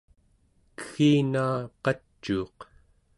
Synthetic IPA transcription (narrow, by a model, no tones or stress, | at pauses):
kə̥xiːnaːqɑt͡ʃːuːq